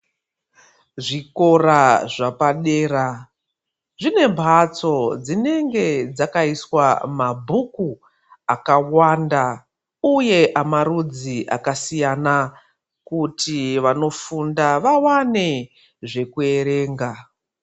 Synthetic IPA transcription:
ʐiko̞ɾaʐapaɗe̞ːɾa | ʐine̞mbʱat͡so̞d͡zine̞ŋɡe̞d͡zakaiswamabʱuku | akawanda | uje̞ʔamaɾud͡ziʔa̰kasijana | kutiʋano̞fundaʋawane̞ | ʐe̞kue̞ɾe̞ːŋɡa

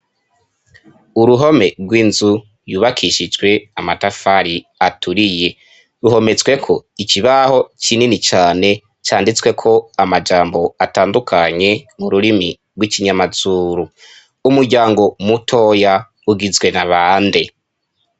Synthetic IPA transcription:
uɾuɦo̞me̞ɡwiːnzu | juːβakʰiʃid͡ʒwe̞amatafaɾi | atuɾije̞ | ɾuɦo̞me̞t͡swe̞kʰo̞iciβaho̞t͡ʃininit͡ʃaːne̞ | t͡ʃaːndit͡swe̞kʰo̞amad͡ʒaːmbo̞ataːndukʰaɲe̞muɾuɾimi | ɡwiciɲamazuːɾu | umuɾɟaːŋɡo̞mutʰo̞ja | uɡizɡwe̞naβaːnde

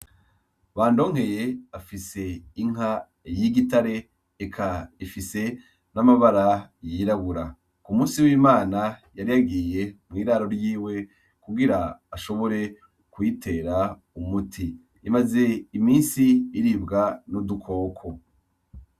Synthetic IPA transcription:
βaːndo̞ːŋhe̞je̞afise̞iŋ̥ɦa | jiɡitaɾe̞ː | kʰaifise̞ | namaβaɾajiɾaβuɾa | kumũːsiwiːmaːnajaɾijaɡije̞mŋiːɾaːɾo̞ɾjiːwe̞ | kuɡiɾaːʃo̞βo̞ɾe̞ | kwitʰe̞ɾa | umutʰiː | maze̞imiːnsiːɾibɡanudukʰo̞ːkʰo̞

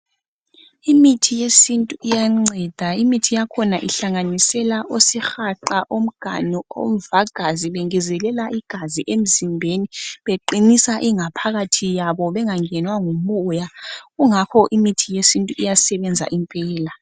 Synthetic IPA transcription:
imitʰijesintʼuijaŋ͡ǀɛd̥ʱaimitʰijakʰɔnaʔiɬaŋanisɛlaʔosixaǃaʔom̩ɡ̥ʱa̰nio̰m̩vaɡ̥ʱaziβeŋizɛlɛlaʔiɡ̥ʱaziʔem̩zimbʱeniβeǃinisaʔiŋapʰaɣatʰijaβɔβɛŋaŋɛnwaŋumujaɣuŋakʰɔʔimitʰijesintʼuʔijasɛβɛnd͡zʱa̰ʔimpʼɛːla

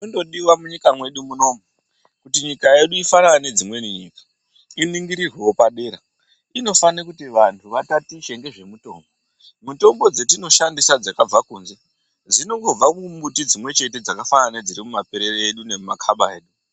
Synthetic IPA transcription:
ondo̞ɗiwamuɲikamwe̞ɗumuno̞mu | kutiɲikae̞ɗuifanaane̞d͡zimwe̞niɲiːkḁ | iniŋɡiɾirwewopaɗe̞ːɾa | ino̞fanakutiʋantʰuʋatatiʃe̞ŋɡe̞ʐe̞muto̞ːmbo | muto̞mbo̞d͡ze̞tino̞ʃandisad͡zakab͡vakuːnze̞ | d͡zino̞ɡob͡vakumbutid͡zimwe̞t͡ʃe̞te̞d͡zakafananed͡ziɾimumapeɾe̞ɾeeɗune̞makʰaɓae̞ːɗu

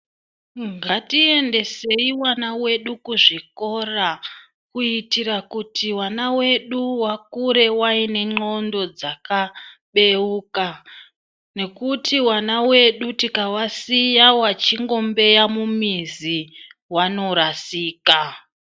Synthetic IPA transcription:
ŋɡatie̞nde̞se̞iwanawe̞ɗukuʐiko̞ra | kuitiɾakutiwanawe̞ɗuwakuɾe̞waine̞ŋ͡ǃo̞ndo̞d͡zakaɓe̞uːka | ne̞kutiwanawe̞ɗutikawasijawat͡ʃiŋɡo̞mbe̞jamumiziwano̞ɾasiːka

